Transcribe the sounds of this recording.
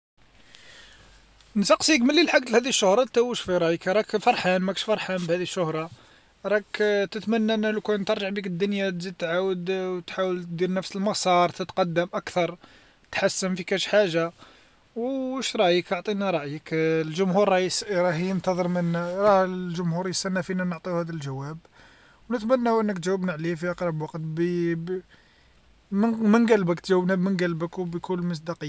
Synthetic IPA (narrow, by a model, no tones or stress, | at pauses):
nsɑqsˤiəkməlːilħaɡt̪lhæd̪iəʃːʊhɾˤɑt̪æwəʃfiɾˤɑjəkɾˤɑkfɑɾˤħanmækəʃfɑɾˤħanbhæd̪iʃːʊhɾˤɑ | ɾˤɑkt̪ət̪mænːæʔənːælukænt̪əɾˤʒəʕbikəd̪ːʊnjat̪zid̪̚t̪ʕawəd̪t̪ħawəlt̪d̪iɾnəfsəlmɑsˤɑɾˤt̪ət̪qɑd̪ːəmʔækt̪ɑɾˤ | t̪ħasːəmfikæʃħaʒːa | wʃɾˤɑʔjəkoʕt̪ˤinaɾˤɑʔjəklʒʊmhuɾɾɑsɾˤɑhjənt̪ɑðˤəɾˤmənːæɾˤɑlʒʊmhuɾjəsænːæfinænəʕt̪ˤihæd̪ælʒæwæb | wnət̪mænːæʔənːəkt̪ʒæwːəbnaʕlifiʔɑqɾˤɑbwɑqt̪b | mmənɡælbəkt̪ʒæwːəbnæbmənɡælbəkwbjkulːməs̬ˤd̪ɑqəjː